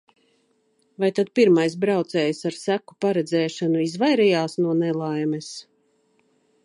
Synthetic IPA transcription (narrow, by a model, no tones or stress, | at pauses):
vajt̪ad̪̚piɾmajs̬bɾawt̪sɛːjsaɾsæku̥paɾɛd̪zɛːʃanuizvajɾɛjaːsnuɔnɛlˠajmɛs